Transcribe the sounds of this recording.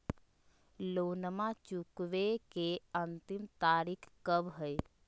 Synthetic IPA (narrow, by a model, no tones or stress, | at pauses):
loːnmãt͡ʃukʋekeənt̪ɪmt̪aːɾikʰkəbɦəj